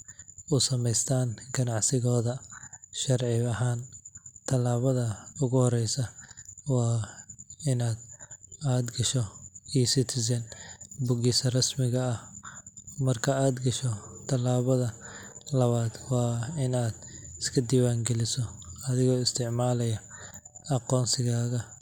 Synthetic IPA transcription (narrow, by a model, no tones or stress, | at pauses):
ʊsɐmɛjst̪ʰaːnɡɐnɑʕsɪɣɔːðɐʃɐrʕɪɐɦaːnt̪ʰɐlaːβɐðɐʊɣʊhɔɾɛjsɐwɑː | ɪnaːd̪aːd̪ɡɐʃɔiːsɪt̪ʰɪs̬ɐnbʊɣiːsɐrɐsmɪɣɐːh | mɐrkʰɐaːd̪ɡɐʃɔt̪ʰɐlaːβɐðɐlɐβaːd̪wɑːɪnaːd̪ɪskʰɐd̪iːwaːŋɡɛlɪsɔɐðɪɣɔːɪst̪ʰɪʕmaːlɐjɐ | ɐqɔːnsɪɣaːɣɐ